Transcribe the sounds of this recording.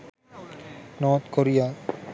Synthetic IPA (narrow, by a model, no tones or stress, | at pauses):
nɔːt̪koɾijaː